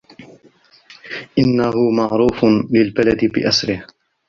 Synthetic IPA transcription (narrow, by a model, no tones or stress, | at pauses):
ʔɪnːahʊmɑʕɾuːflɪlbalad̪ɪbɪ̰ʔasɾɪh